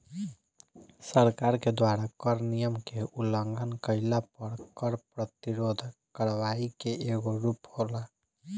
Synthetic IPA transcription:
səɾkaɾked̪waɾakəɾnijəmkeuləŋɡʱənkəɪlapəɾkəɾpɾət̪iɾod̪ʱkəɾʋaikeʔeɡoɾuphola

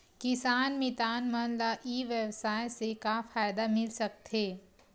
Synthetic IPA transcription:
kɪsaːnmɪt̪aːnmɐnlaʔiːʋjəwsaːjsekafaːjd̪amɪlsɐk̚t̪ɦeː

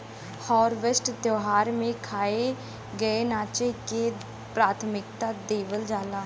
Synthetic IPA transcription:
hɔːɾʋesʈd̪joːɦaːɾmẽkʰaːe | ɡəenaːt͡ʃeke | pɾaːt̪ʰmɪkt̪ad̪eːʋəld͡ʒaːlaː

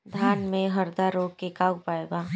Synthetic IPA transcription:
d̪ʱaːnmẽɦəɾd̪aɾoːɡkekaːwpaːeːɡaː

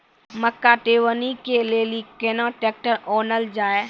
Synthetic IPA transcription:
məkːaʈeːʋənikelelikeːnõːʈeːk̚ʈəɔːnəld͡ʒaːe

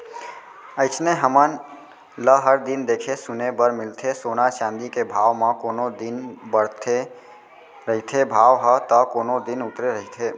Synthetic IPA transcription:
əɪt͡ʃneɦəmən | ləɦəɾd̪ɪnd̪eːkʰesʊnebəɾmɪlt̪ʰesoːnaʃãːnd̪ikebʱaːʋmãkoːnod̪ɪnbəɽt̪ʰe | ɾəɦit̪ʰebʱaːʋɦət̪əkoːnod̪ɪnʊt̪ɾeɾəɦit̪ʰe

